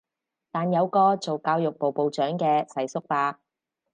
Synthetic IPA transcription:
t̪aː˨˩njɐ˨˧wkɔː˧t͡so˨wkaː˧wjʊ˨k̚po˨wpo˨wt͡ʃœː˨˥ŋkɛː˧sɐ˨˩jsʊ˥k̚paː˧

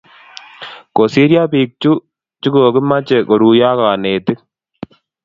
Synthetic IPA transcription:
ko˨si˦ɾja˦piː˨k̚t͡ʃu˦ | t͡ʃi˦koː˨ki˦ma˦t͡ʃɛ˨ko˨ɾu˨jaː˦ka˨neː˨t̪ɪ˦k̚

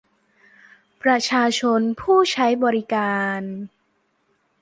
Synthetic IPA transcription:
pɾa˧t͡ɕʰaː˧t͡ɕʰo˧npʰuː˥˩t͡ɕʰa˦˥jbɔː˧ɾi˦˥kaː˧n

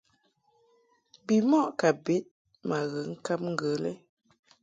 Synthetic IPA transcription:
bi˨mɔ˦ʔka˨bi˦t̚ | ma˨ɣə˨ŋ̩˦ka˦p̚ŋ̩˦ɡə˨lɛ̰˦

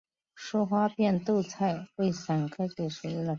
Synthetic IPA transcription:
ʂɔ˥xwa˥pjɛ˥˧nt̪o˥˧ʊt͡sʰa˥˩ɪwe˥˩ɪsa˨˩nkʰa˥ku˨˩ʂu˨˩i˥˩lə˩

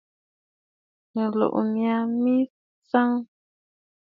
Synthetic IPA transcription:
mə˨lo̰˨ʔmja˨mi˦ | t͡sa˦ŋ

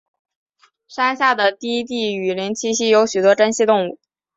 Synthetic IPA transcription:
ʂa˥nɕja˥˩d̪ə˩t̪i˥˧i˥t̪i˥˩y˨˩li˧˥nt͡ɕʰi˥ɕi˥jo˧˥ʊɕy˨˩t̪wɔ˥ʈ͡ʂə˥nɕi˥t̪ʊ˥˧ŋu˥˩

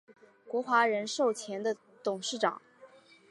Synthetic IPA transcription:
kwɔ˧˥xwa˧˥ɻə˧˥nʂo˥˩ʊt͡ɕʰjɛ˧˥nd̪ə˧ | t̪ʊ˨˩ŋʂɻ̩˥˩ʈ͡ʂɑ̰˨˩˦ŋ

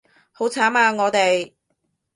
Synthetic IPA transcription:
ho˨˥wt͡sʰaː˨˥maː˧ŋɔː˨˧t̪e˨j

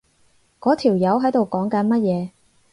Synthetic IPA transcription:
kɔː˨˥t̪ʰiː˨˩wjɐ˨˥wɦɐ˨˥jt̪o˨wkɔː˨˥ŋkɐ˨˥nmɐ˥t̚jɛː˨˧

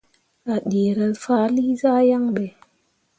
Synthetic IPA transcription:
a˨ɗi˨ɾə˨lfa˦li˦zaː˦ja˦ŋɓe˨

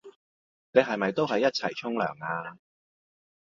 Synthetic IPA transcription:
ne˨˧ɦɐ˨jmɐ˨jt̪o˥wɦɐ˨jːɐ˥t̚t͡sʰɐ˨˩jt͡sʰʊ˥ŋlœ̰ː˨˩ŋaː˧

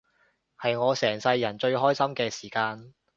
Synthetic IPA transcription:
hɐ˨jŋɔː˨˧sɛː˨˩ŋsɐ˧jːɐ˨˩nt͡ʃɵ˧ɥɦɔː˥jsɐ˥mkɛː˧siː˨˩kaː˧n

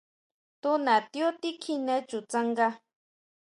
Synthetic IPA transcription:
t̪u˦nã˨t̪jo˦t̪i˦kʰi˧nɛ̃˦t͡ʃu˨t͡sa˦ŋɡa˦

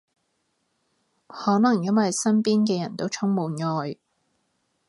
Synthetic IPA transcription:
hɔː˨˥nɐ˨˩ŋjɐ˥nwɐ˨jsɐ˥npiː˥nkɛː˧jɐ˨˩nt̪o˥wt͡ʃʰʊ˥ŋmuː˨˧nŋɔː˨˧j

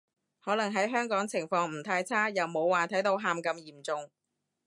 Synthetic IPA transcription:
hɔː˨˥lɐ˨˩ŋɦɐ˨˥jɦœː˥ŋkɔː˨˥ŋt͡sʰɪ˨˩ŋfɔː˧ŋm̩˨˩t̪ʰaː˧jt͡sʰaː˥jɐ˨wmo˨˧wːaː˨t̪ʰɐ˨˥jt̪o˨˧˥wɦaː˨mkɐ˧mjiː˨˩mt͡sʊ˨˧ŋ

